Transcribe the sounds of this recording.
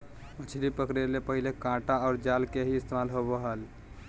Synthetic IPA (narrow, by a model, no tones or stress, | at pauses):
mət͡ʃʰlipəkɾelepəɦilekãʈaɔʊɾd͡ʒalkeɦiɪst̪emalɦobəɦəl